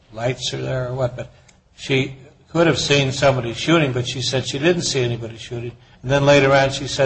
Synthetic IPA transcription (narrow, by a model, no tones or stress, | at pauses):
laɪtsə˞ðə˞ə˞wʌt̚b̥ʌt̚ | ʃi | kʰʊɾɨv̥sĩnsʌ̃mbɑɾiʃʉɾɪ̃ŋbʌtʃisɛd̥ʃidɪdⁿn̩tsiɛnibɑɾiʃʉɾɪ̃ŋ | nðɨ̃nleɪɾə˞ɑ̃nʃisɛ